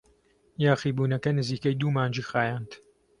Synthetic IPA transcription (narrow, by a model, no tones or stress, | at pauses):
jaːxiːbuːnɐkɐnɨziːkɐjd̪uːmaːnd͡ʒiːxaːjaːnt̪